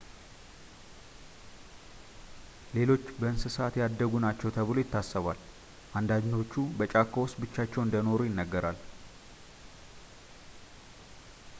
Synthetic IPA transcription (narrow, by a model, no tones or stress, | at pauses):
le̞lo̞t͡ʃːbəɨnsɨsat̪jad̪ːəɡunat͡ʃːɛwt̪ʰəβlo̞jɪt̪ːasːəβal | ʔand̪ad͡ʒno̞t͡ʃːubət͡ʃʼakːowʊst̪bɨt͡ʃːat͡ʃːɛwɨnd̪əno̞ɾujɪnːəɡːəɾal